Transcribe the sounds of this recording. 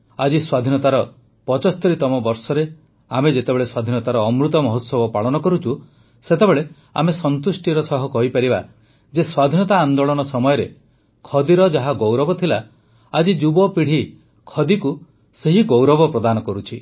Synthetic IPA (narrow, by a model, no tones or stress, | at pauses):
ad͡ʒiswad̪ʱinɔt̪aɾɔ | pɔt͡ʃɔst̪ɔɾit̪ɔmɔbɔɾsɔɾe | amed͡ʒet̪ebeɭeswad̪ʱinɔt̪aɾɔːmɾut̪ɔmɔɦot̪sɔbɔpaɭɔnɔkɔɾut͡ʃʰu | set̪ebeɭe | a̰mesɔnt̪usʈiɾɔsɔɦɔkɔɦipaɾiba | d͡ʒeswad̪ʱinɔt̪aːnd̪oɭɔnɔsɔmɔjɔɾe | kʰɔd̪iɾɔd͡ʒaɦaɡowɾɔbɔt̪ʰila | ad͡ʒid͡ʒubɔpiɽ̤i | kʰɔd̪iku | seɦiɡowɾɔbɔpɾɔd̪anɔkɔɾut͡ʃʰi